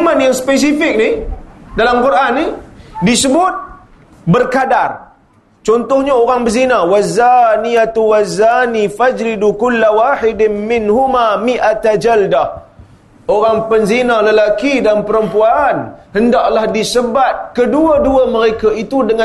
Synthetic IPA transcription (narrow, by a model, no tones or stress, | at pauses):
manjaŋspes̬ifɪk̚nidalamkurʔanːidisəbʊt̪̚ | bərkadar | t͡ʃɔnt̪ʊhɲaoɾaŋbəzinawazːanijat̪uwazːanifad͡ʒɾidukulːawaħɪdɪnmɪnɦumamiʔat̪ad͡ʒalda | ʔoɾaŋpənzinaləlakidanpəɾəmpuanhəndaʔlahdisəbat̪̚kəduəduəməɾekaʔit̪udəŋã